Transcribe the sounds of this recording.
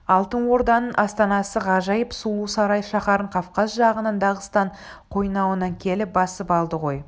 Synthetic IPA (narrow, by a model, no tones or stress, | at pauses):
ɑlˠt̪ənwo̞ɾd̪ɑnənʔɑst̪ɑnɑsəʁɑʒɑjəpsulˠusɑɾɑjʃɑχɑɾəɴqʰɑfqɑzʒɑʁənənd̪ɑʁəst̪ɑɴ | qʰo̞jnɑwənɑŋkʲʰe̞lɪp̚bɑsəpɑlˠd̪əʁo̞j